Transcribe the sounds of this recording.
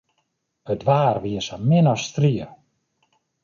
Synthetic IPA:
ətʋaːrʋiəsamɪnɔstriə

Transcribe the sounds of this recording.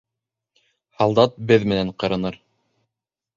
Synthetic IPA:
hɑlˠd̪ɑt̪̚bɘðmɘ̆næɴqɤ̆ɾɤ̆nɤɾ

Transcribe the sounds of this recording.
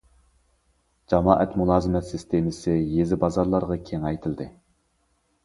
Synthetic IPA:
d͡ʒɑmɑːʔɛt̪mulˠɑːzɨmɛt̪sɪst̪ʰemɪsɪjezɪbɑzɑɾlˠɑɾʁɑkʲʰeŋɑjt̪ʰɪld̪ɪ

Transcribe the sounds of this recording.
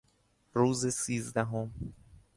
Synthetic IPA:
ɾuːzesiːzd̪æɦom

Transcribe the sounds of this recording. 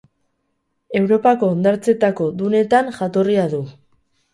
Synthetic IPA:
e̞wɾo̞pako̞ːnd̪aɾt͡se̞t̪ako̞ðune̞t̪anʝat̪o̞riaðu

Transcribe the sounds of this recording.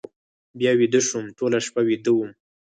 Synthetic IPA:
bjɑwid̪əʃumʈolaʃpawid̪əwum

